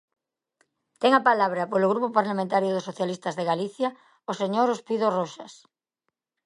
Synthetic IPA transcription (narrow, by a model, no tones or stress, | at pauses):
t̪ɛŋapalaβ̞ɾɐpolʊɣɾupopaɾlamẽnt̪aɾjʊðosoθjalist̪azðeɣaliθja | oseɲoɾospiðoroʃas